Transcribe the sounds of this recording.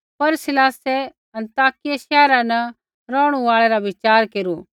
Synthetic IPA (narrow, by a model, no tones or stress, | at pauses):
pɐɾsɪlaːse | ɐ̃nt̪aːkɪjaʃɛːɾãnɐ | ɾɔːɽ̃uaːɭɛɾaʋɪt͡ʃaːɾkeːɾuː